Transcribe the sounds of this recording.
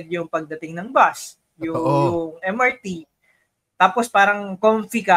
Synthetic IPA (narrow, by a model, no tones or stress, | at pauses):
d̪̚jʊŋpɐɡ̚d̪ɐt̪ɪŋnɐŋbas | jʊjʊŋɛmɐɹt̪i | t̪aːpospaːɾɐŋkomfikɐ